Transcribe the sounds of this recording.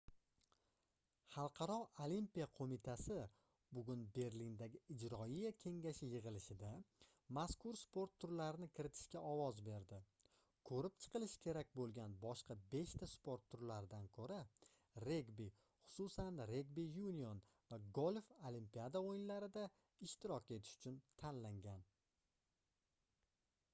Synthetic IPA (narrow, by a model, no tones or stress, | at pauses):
χɑlˠqʰɑɾɒʔolimpijaqʰomɪt̪ʰasɪ | bʊɡʲʊnbe̞ɾlind̪aɡʲɪɪd͡ʒɾɒijakʲʰe̞ŋɡʲaʃɪjɨʁɨlɪʃɪd̪a | maskʊɾspʰo̞ɾt̪ʰːʊɾlaɾɪnɪkʲʰɪɾɪt̪ʰɪ̥ʃkʲaʔɒwɒzbe̞ɾd̪ɪ | kʰɵɾɪp̚t͡ʃʰɨ̥qʰɨlˠɪʃkʲʰe̞ɾak̚ʲbolˠɡʲanbɒʃqʰɑbe̞ʃt̪ʰaspo̞ɾt̪ʰːʊɾlaɾɪd̪ankʰɵɾa | ɾe̞ɡbi | χʊ̥susanɾe̞ɡbijunijon | vaɡolfolimpijad̪aojɪnlaɾɪd̪a | ɪʃt̪ɪɾɒkʲe̞t̪ʰɪ̥ʃʊ̥t͡ʃʰʊnt̪ʰanlaŋɡʲan